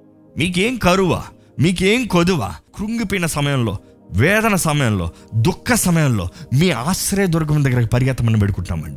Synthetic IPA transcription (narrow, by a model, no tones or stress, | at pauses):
miːk̬eːmikɐɾuʋa̰ː | miːk̬eːmikod̪uʋa̰ːkɾuŋɡupinɐsɐmɐjɐmlo̞̰ː | ʋɛːd̪ɐnɐsɐmɐjɐmlo̞ːd̪ukʰːɐsɐmɐjɐmlo̞ːmiːaːsɾeːɐd̪uɾɐɡ̬ɐmd̪ɐɡːɐɾɐkɐpɐɾjɐt̪ɐmɐnːiʋeɽukuɳʈːa̰ːmɐ̰ɳɖi